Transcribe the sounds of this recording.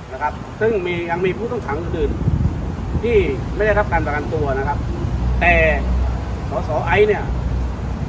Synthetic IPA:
na˦˥kʰa˦˥p̚sɯ˥˩ŋmiː˧ja˧ŋmiː˧pʰuː˥˩t̪ɔ˥˩ŋt̪ʰaː˩˦ŋʔɯː˧nʔɯː˨˩n | t̪ʰiː˥˩ma˥˩jda˥˩ɾa˦˥p̚kaː˧npa˧ka˧nt̪u˧ɐna˦˥kʰa˦˥p̚t̪ɛː˨˩ | sɔː˨˩˦sɔː˩˦ʔa˦˥jni˥˩ɐ

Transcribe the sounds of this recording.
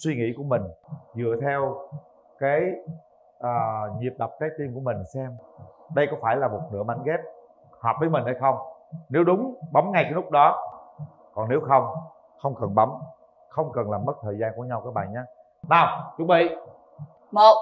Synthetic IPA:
swi˧ŋḭ˧˥ku˧˩əmï˨˩ŋ̟zɨ̰˧˨ət̪ʰɛ˧w | kaː˨˦j | ʔəː˨˩ɲi˨˩əp̚ɗa˨˩p̚kaː˨˦jt̪i˧nku˧˩əmï˨˩ŋ̟sɛ˧mɗə˧jkɔ˨˦faː˧˩jlaː˨˩mo˨˩t̚nɨ̰˧˥əmɓa˨˦ŋɣɛ˦˥p̚ | hɔː˨˩p̚vəː˨˦jmï˨˩ŋ̟ha˧jxə˧wŋ͡mne˨˦wɗʊ˨˦ŋ͡mɓa˨˦wŋ͡mŋa˧jkaː˨˦lʊ˦˥k͡p̚ɗɔ˨˦ | kɔ˨˩ne˨˦wxə˧wŋ͡m | xə˧wŋ͡mkə˨˩nɓə˨˦m | xə˧wŋ͡mkə˨˩nlaː˨˩mːə˦˥t̚t̪ʰəː˨˩zaː˧nku˧˩əɲa˧wkaː˨˥j̚ɓa̰ː˨˩nɲaː˨˦ | naː˨˧˩wt͡ɕʊ˨˧˩k̚ɓḭ˧˨ | mo˧˨

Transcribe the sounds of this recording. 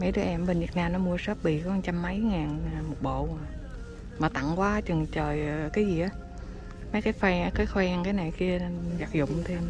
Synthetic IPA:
ma˨˦jɗɨ˨˦ʔɛ˧mɓə˨˩n̟vi˨˩ək̚naː˧mnɔ˨˦mu˧əsəː˦˥p̚ɓḭ˧˨kɔ˨˦ha˨˧˩t͡ɕa˧mːə˨˦jŋaː˨˩n˨˩mo˨˩ɓo̰˧˨˩ | maː˨˩t̪a̰˧˨ŋkwaː˨˦t͡ɕɨ˨˩ŋt͡ɕəː˨˩jkaː˨˦jzi˨˩ʔaː˨˦ | ma˨˦jkaː˨˦jxwɛ˧˨˦kaː˨˦jxwɛː˧ŋkaː˨˦jna˨˩jki˧əza˨˩k̚zʊ̰˧˨wŋ͡mt̪ʰe˧m

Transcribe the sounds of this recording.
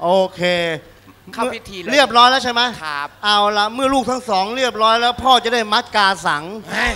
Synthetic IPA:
ʔoː˧kʰeː˧˥˩ | i˦tʰːɾi˥˩əp̚ɾɔː˦˥jlɛː˦˥wt͡ɕʰa˥˩jma˦˥jʔa˧˩wla˧˩mɯ˥˩əluː˥˩k̚t̪ʰa˦˥ŋsɔː˩˦ŋɾi˥˩əp̚ɾɔː˦˥jlɛː˦˥wpʰɔː˥˩t͡ɕa˨˩da˥˩jma˦˥t̪̚kaː˧sa˩˦ŋ

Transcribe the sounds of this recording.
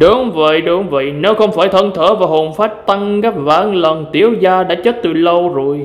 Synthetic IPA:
ɗʊ˨˦ŋ͡mvə̰˧˨jɗʊ˨˦ŋ͡mvə̰˧˨jne˨˦wxə˧wŋ͡mfaː˧˩jt̪ʰə˧nt̪ʰəː˧˩vaː˨˩ho˨˩nfaː˦˥t̚t̪a˧ŋɣa˦˥p̚vaː˨˦nlə˨˩nt̪i˧˩əwzaː˧ɗa̰ː˧˥t͡ɕəː˦˥t̚t̪ɨ̰˨˩lə˧wzo˧˩əj

